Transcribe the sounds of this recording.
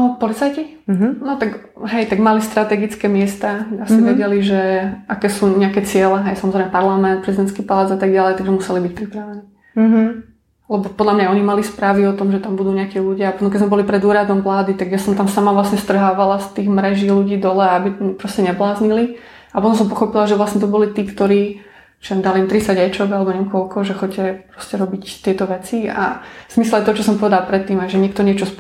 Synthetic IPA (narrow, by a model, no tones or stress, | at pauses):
nɔpɔlit͡sajci | ɦnɔt̪aɡ | ɦɛjt̪aɡmalist̪ɾat̪ɛɡit͡skɛmɪɛst̪aːasiʋʋɛɟɛliʒɛʔakɛːsuːɲɛakɛːt͡sɪɛlɛɦɛjsamɔzɾɛɪmɛpaɾlamɛnt̪̚pɾɛzid̪ɛnskiːpalaːd͡zat̪aɡɟalɛɪjt̪aɡʒɛmusɛlibic̚pɾipɾaʋɛniː | lɛbɔpɔd̪lamɲaɔɲimalispɾaːʋiɔt̪ɔmʒɛt̪ambud̪uːɲɛakiːluɟɪaɔnɔkɛzmɛbɔlipɾɛd̪uːɾad̪ɔmʋlaːd̪it̪aɡjasɔmt̪amsamaʋlasɲɛst̪r̩ɦaːʋalast̪iːɣmɾɛʒiːluɟiːd̪ɔlɛabipɾɔscɛɲɛblaːzɲili | aɔnas̬ɔmpɔxɔpilaʒɛʋlasɲɛt̪ɔbɔlit̪iːkt̪ɔɾiː | t͡ʃiɛnd̪alimt̪ɾit͡saɟɛt͡ʃɔɡalɛbɔɲɛkɔlkɔʒɛxɔcɛpɾɔscɛɾɔbict̪ɪɛt̪ɔʋɛt͡sia̰z̥mislˠaɪt̪ɔt͡ʃɔsɔmpɔʋɛd̪alpɾɛt̪ːiːmajʒɛɲɛkt̪ɔɲɪɛt͡ʃɔs